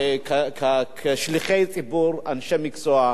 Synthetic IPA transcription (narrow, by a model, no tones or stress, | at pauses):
kakʰakʰʃliχejt͡sʼibuɾanʃɛmiksoa